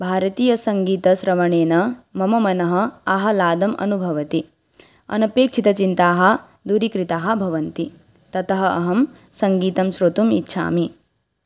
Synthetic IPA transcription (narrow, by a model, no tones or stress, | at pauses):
bʱaːɾɐt̪iːjɐsɐŋɡiːt̪ɐsɾɐʋɐɳeːnɐmɐmɐmɐnɐɦɐ̆ɐɦɐ̆laːd̪ɐmʔɐ̰nubʱɐʋɐt̪i | ɐ̰nɐpeːk̚t͡ʃʰit̪ɐt͡ʃint̪aːɦɐ̆ | d̪uɾikɾit̪aːɦɐ̆bʱɐʋɐnt̪i | t̪ɐt̪ɐɦɐɐ̰ɦɐm | sɐŋɡiːt̪ɐmʃɾot̪umḭtːʃʰa̰ːmi